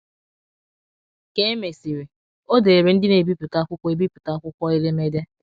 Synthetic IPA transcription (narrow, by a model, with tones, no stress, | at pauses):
ke˦e˦me˨si˨ɾe˨ | o˦de˨e˨ɾe˨n̩˦dɪ˦ne˨bi˦pi˨ka˦kʷʊ˦kʷɔ˦e˦bi˦pi˨ka˦kʷʊ˦kʷɔ˦e˦le˦me˦dja˦